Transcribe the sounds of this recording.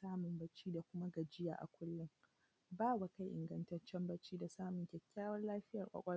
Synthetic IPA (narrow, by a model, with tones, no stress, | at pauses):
saː˦mʊ˨mbɐ˦t͡ʃiː˦da˨kʷʊ˦ma˦ɡɐ˨d͡ʒɪ˦ja̰ː˨ʔa̰˨kʷʊ˦lːʊ˦ŋ | baː˦wa˨ka˦jʔɪ̰˨ŋɡɐ˦ntɐ˦t͡ʃːɛ˦mbɐ˦t͡ʃiː˦da˨saː˦mʊ˨ŋkʲɛ˨kʲːaː˦wɐ˦rlaː˦ɸɪ˦jɐ˨rkʷʼɐ̰˦kʷʼɔ˦